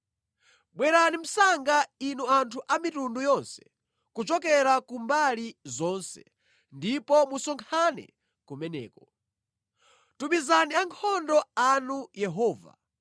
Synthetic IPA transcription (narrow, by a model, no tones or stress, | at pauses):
ɓwɛɾanim̩saŋɡainuantʰuʔamitundujɔnsɛ̥ | kut͡ʃɔkɛɾakumbalizɔnsɛ | ndipɔmusɔŋkʰanɛ̰ | kumɛnɛ̰ːkɔ | tumizaniaŋkʰɔndɔanujɛɦɔːva̰